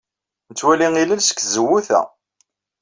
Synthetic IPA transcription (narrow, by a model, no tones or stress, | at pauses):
nət͡sːwæliŋilælsə̥kːzəwːuθæ̰